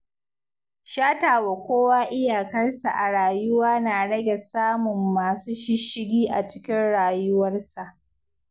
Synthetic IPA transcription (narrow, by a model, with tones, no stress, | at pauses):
ʃaː˦taː˨wa˨kʷoː˦waː˦ʔɪ˦jaː˨kɐ˦rsa˨ʔa˨ɽaː˨jʊ˦waː˦naː˨ɽɐ˦ɡʲɛ˨saː˦mʊ˨mːaː˨suː˦ʃɪ˦ʃɪ˦ɡʲiː˦ʔa̰˨t͡ʃɪ̥˦kʲɪ˦nɽaː˨jʊ˦wɐ˦rsa˨ʔ